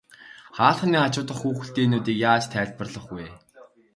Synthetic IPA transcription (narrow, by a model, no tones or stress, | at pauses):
χaːɮχ̆niːat͡ɕʊːt̪ə̆χːuːxɘ̆ɬt̪eːnuːt̪iːkjaːt͡ɕt̪ʰæːɮpə̆rɮə̆χɡuj